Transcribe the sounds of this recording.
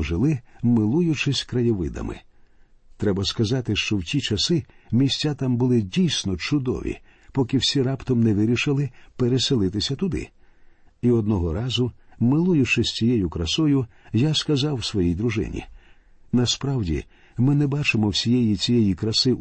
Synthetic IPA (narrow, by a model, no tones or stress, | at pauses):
ʒɪlˠɪmɪlˠujʊt͡ʃɪsʲkɾɐjɔʋɪd̪ɐ̰mɪ̰ | t̪ɾɛbɐskɐzɑt̪ɪʃt͡ʃɔwtʲit͡ʃɐsɪmʲisʲt͡sʲːat̪ambʊlˠɪdʲijsʲnɔt͡ʃʊd̪ɔ̰ʋʲḭ | pɔkɪwsʲiɾɑpt̪ɔmnɛʋɪɾʲiʃɪlˠɪpeɾeselˠɪt̪ɪsʲɐt̪ʊd̪ɪ̰ | iɔd̪nɔɦɔɾɑzʊmɪlˠujʊt͡ʃɪsʲt͡sʲijɛjʊkɾɐsɔjʊjaskɐzɑwsʋɔjijd̪ɾʊʒɪ̰nʲḭ | nɐspɾɑwdʲḭ | mɪnɛbɑt͡ʃɪmɔwsʲijɛjit͡sʲijɛjikɾɐsɪ